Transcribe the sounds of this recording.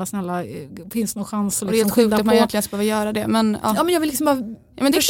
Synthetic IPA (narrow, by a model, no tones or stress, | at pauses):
asnɛlːafɪnst̪nɔːɧansɔldɛhːlt̪ɧʉːk̪at̪manjɛnt̪ɪɡənkabhøːvajœːɾad̪ɛmɛnɑ̰ːɑːmɛnjɑɡvɪlːɪksɔmbɑːɾjɑ̰ːmɛnd̪ɛ